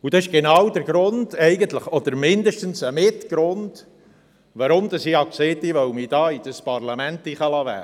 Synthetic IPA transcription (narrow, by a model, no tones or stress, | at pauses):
ud̥̪ɑɪʃɡ̥enɑːwd̪əɾɡ̥ɾʊnd̪̥ɛɪɡənt̪ləχɔd̪əɾmɪnd̪əʃtənsəmɪtɡ̥ɾʊnd̥ | vɑɾʊmd̪ɑsiɑkseːt̪iʋœwmid̥̪ɑːid̥̪əspɑɾlɑmænt̪ːiχəlɑvæ̰ː